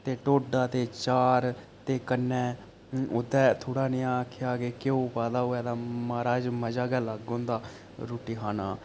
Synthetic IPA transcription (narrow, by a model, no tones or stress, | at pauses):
t̪eːʈoːɖaːt̪eːt͡ʃaːɾ | t̪eːkənːɛ̃ː | ʊd̪ɛːt̪ʰoːɽaːnɪjãːakʰjaːɡeːkeoːpaːd̪aːɦoːɛːd̪aːmaːɾaːd͡ʒməd͡ʒaːɡɛːlaɡõːnd̪aː | ɾoːʈiːkʰaːnaː